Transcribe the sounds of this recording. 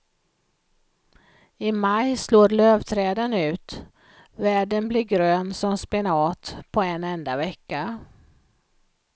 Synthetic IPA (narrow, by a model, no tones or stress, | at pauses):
ɪmajsloːɾløːvt̪ʰɾɛːd̪ənʉ̟ːt̪ | væːɖənblɪɾɡɾøːnsɔmspɪnɑːt̪pʰɔɛnɛnd̪avɛkːa